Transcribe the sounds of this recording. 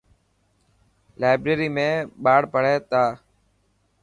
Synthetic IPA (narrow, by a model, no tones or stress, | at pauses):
laːɪbɾeːɾiːmẽːɓaːɽpəɽ̤eːt̪aː